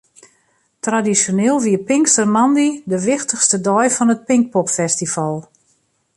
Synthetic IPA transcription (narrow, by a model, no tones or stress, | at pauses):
tradisjoneːlˠʋiəpɪŋkstərmandidəʋɪxtəxstədɔjfɔnət̚pɪŋk̚pɔpfɛstifalˠ